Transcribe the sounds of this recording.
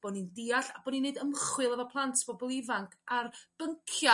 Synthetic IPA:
b̥ɔnindiːaɬabɔninːedəmχwɨlˠəvɔpʰlˠantʰb̥ɔbɔlˠɪvaŋkʰarb̥əŋkʰja

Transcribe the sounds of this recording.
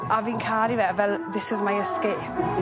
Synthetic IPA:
aviːnkʰaːɾivɛvɛlˠðɪsɪzmajəskeːp̚

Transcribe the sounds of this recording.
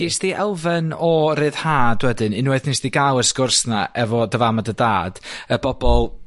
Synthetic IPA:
nisd̥iʔɛlˠvɛnɔɾɨːð̥haːdwɛdɨnɨnwɛθnisd̥iɡalˠəskʊrsna̰ʔɛvɔdəvamadədaːd̥əbɔbɔlˠ

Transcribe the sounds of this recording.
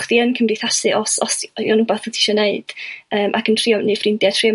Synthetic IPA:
χðiənkʰəmriθasɨʔɔsɔsjɔnubaθətʰi̥ʃɔneɨd̥əːmʔa̰kʰəntʰr̥iɔnɨfrɪndjatʰriɔ

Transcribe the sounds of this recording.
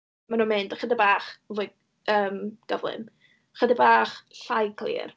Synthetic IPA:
manuːnmɨndaχədəbaːχvo | əːmɡ̥ɔvlˠɨ̰m | χədəbaːχɬajkʰlˠḭːr

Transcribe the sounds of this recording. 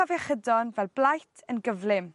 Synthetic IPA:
avjaχədɔnvɛlˠblˠajtʰənɡəvlɪm

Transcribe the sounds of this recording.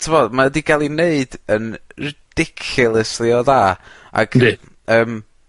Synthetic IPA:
tʰəvɔdmadiɡalˠineɨd̥ənrɪd̥ɪkʰɨlˠəsliɔðaː | a̰ɡ̥ni | əːm

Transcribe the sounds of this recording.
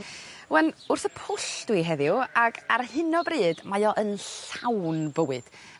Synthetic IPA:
wɛnʊrθəpʰʊɬd̥wiɦɛðɪʊaɡarhɪnɔbriːdmajɔʔənɬawnbəwɨd̥

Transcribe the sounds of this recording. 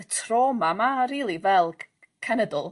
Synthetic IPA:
tʰroːmamaɾiːlˠivɛlˠ | kʰanədʊlˠ

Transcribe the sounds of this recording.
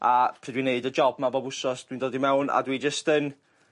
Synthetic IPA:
apʰriːdwineɨdəd͡ʒɔbmabɔbʊsɔsd̥windoːdimɛwna̰dwid͡ʒəstən

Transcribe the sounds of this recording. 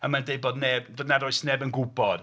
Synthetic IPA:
amandejbɔdnɛbɔdnaɾɔɨsnɛbənɡʊbɔd̥

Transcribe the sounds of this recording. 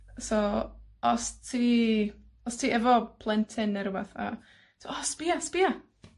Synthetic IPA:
soɔstʰi | ɔstʰiɛvɔpʰlˠɛntʰɛnɛɾwaθa̰ | sʰɔspiaspia

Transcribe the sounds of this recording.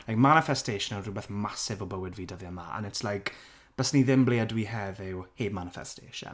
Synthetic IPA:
lajkmanɪfɛstejʃənərubɛθmasɪvɔbəwɪdviːdəvjəmaʔə̰nɛtslajkʰ | b̥əsniðɪmbliədwiɦɛðɪwheːbmanɪfɛ̰stʰḛːʃə̰n

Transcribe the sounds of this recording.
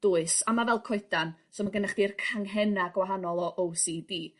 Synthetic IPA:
d̥ʊːɨsamavɛlˠkʰɔɨdansɔmaɡənaχd̥irkʰaŋɦɛnaɡwaɦanɔlˠɔʔowsidiː

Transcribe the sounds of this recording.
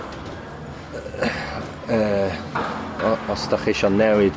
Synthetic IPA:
əː | ɔɔsdaχɪʃɔnːɛwɪd

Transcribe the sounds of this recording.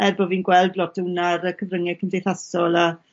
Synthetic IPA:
ɛrbɔviːnɡwɛlˠdblɔtəwnaɾəkʰəvrəŋɛkʰəmdejθasɔlˠa

